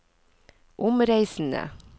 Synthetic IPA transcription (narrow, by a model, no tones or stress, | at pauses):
ʔʊmɾæɪsn̩ə̰